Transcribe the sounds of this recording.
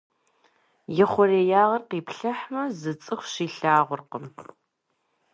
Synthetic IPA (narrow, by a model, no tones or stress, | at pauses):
jɪχʷɔreːjaːʁɐrqiːpɬɐħmɐzɨt͡sʼɨxʷɕiːɬaːʁʷʊrqəm